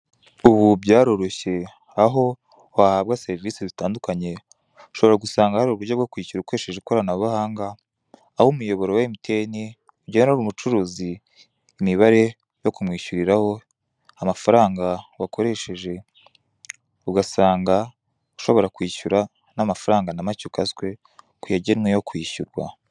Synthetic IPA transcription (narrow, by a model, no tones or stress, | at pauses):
uβubɟaːɾo̞ɾo̞çe̞ | aɦo̞ | wahaβɡase̞ɾiviːsizitaːndukaɲe̞ | u̥ʃo̞βoɾaɡusaːŋɡahaɾuuβuɟoβɡokwiːçuɾukwe̞ʃe̞ʒekoɾanaββahaːŋɡaː | homujo̞βo̞ɾowaimitʰe̞ːni | uɟeːneoɾumut͡ʃuɾuːziː | miβaɾe̞ | jo̞kumŋiːʃuɾiɾaho̞ | amafaɾaːŋɡawakʰo̞ɾe̞ʃe̞ʒe̞ | uɡasaːŋɡa | uʃo̞βo̞ɾakwiːçuɾa | namafaɾaːŋɡanamacukaskwe̞ | kujaɟenŋwejo̞kwiːçuɾɡwa̰